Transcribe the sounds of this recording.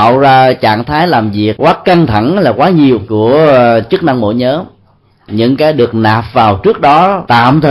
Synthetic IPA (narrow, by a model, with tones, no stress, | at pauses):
wzaː˧t͡ɕa̰ː˧˨ŋt̪ʰaː˨˦jlaː˨˩mvi˨˩əkkwaː˨˦ka˧nt̪ʰa˧˩ŋlaː˨˩kwaː˨˦ɲi˨˩əwku˧˩ət͡ɕɨ˦˥k̚na˧ŋmo̰˧˥jɲəː˨˦m | ɲɨ̰˧˥ŋkaː˨˦jɗɨ˨˩ək̚naː˨˩p̚vaː˨˩wt͡ɕɨ˦˥ək̚ɗɔ˨˦t̪a̰ː˧˨mt̪ʰə˨˩